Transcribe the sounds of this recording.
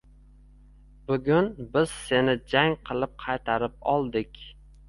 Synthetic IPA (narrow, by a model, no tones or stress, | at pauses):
bʊɡʲʊnbɪz̥se̞nɪd͡ʒaŋqʰɨlˠɪp̚qʰɑjt̪ʰaɾɪp̚ɒlˠd̪ɪkʲ